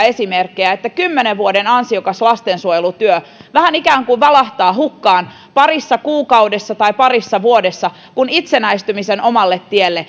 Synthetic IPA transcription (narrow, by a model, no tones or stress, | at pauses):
e̞simerkːejæet̪ːækymːeneʋʋuodenɑnsiokɑslɑst̪ensuojelut̪yøʋæhænikæːŋkuʋʋɑlɑht̪ɑːɦukːɑːn | pɑrisːɑkuːkɑudesːɑt̪ɑipɑrisːɑʋuodesːɑ | kunit̪senæist̪ymiseno̞mɑlːet̪ːielːe